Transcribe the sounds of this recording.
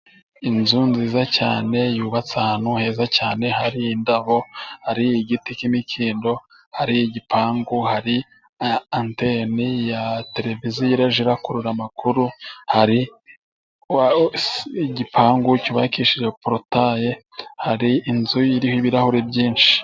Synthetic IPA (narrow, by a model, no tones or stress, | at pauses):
inzunziːzacaːne̞juːβat͡sahanuhe̞ːzacaːne̞haɾiːndaβo̞haɾiiɡitikimikʰiːndo̞ | haɾiiɟipʰaːŋɡuhaɾi | antenijate̞ɾe̞vizijiɾaʒiɾakuɾuɾamakʰuɾuhaɾi | ɟipʰaːŋɡuciβakiʃid͡ʒepɾotaje | haɾiinzujiɾihoiβiɾahuɾebɟiːnʃi̥i̥